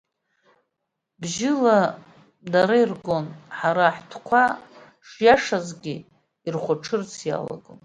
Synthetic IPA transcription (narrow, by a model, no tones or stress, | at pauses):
bʒɪla | daɾairɡo̞nħaɾaħtʰkʷʰa | ʂjaʂazɡʲi | irχʷʊʈ͡ʂʰɨrt͡sʰja̰la̰ɡon